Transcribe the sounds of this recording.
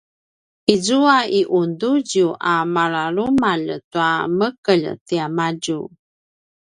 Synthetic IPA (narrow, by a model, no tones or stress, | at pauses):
izuaiʔunduɟuʔamaɾaɾumaʎtuaməkəʎtiamaɟu